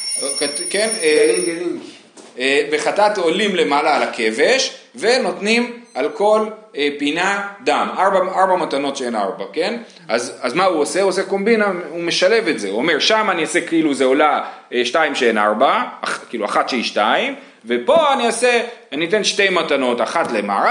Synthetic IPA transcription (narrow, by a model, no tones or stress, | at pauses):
kken | eveχat̪at̪olimle̞malaːlakʰe̞ve̞ʃ | ve̞no̞tnimalko̞lepinad̪amʔaʁbaaʁbamat̪ano̞tʃee̞na̰ʁbake̞n | ʔazazmauose̞uoseko̞mbinaume̞ʃale̞vetze̞uomeʁʃamaniasekiiluzeolaeʃtaimʃeena̰ʁbakiːlua̰χat̪ʃeiʃtaim | vepo̞anioseaniit̪̬e̞nʃte̞jmatano̞taχatlema̰a